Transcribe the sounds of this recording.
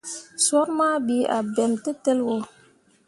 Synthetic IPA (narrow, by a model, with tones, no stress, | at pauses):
sɔ˦ɾma˦bi˨˦a̰˨be˨mti˦te˦lwo˨